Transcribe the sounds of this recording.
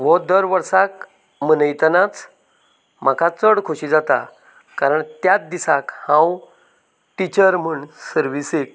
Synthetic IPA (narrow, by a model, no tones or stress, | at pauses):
ʋɔd̪əɾʋəɾsak | mənəjt̪ənat͡s | m̤akʰat͡səɽkʰoɕid͡zat̪a̰ | kaɾəɳt̪jat͡s̚d̪isakhãw | ʈit͡ɕəɾm̤əɳsəɾʋisek̚